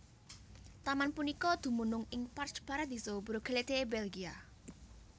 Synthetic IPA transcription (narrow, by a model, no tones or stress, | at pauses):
t̪amanpunikɔd̪̥ṳmunʊŋɪŋpart͡ʃpaɾad̪i̤sobuɾoɡelet̪ebelɡia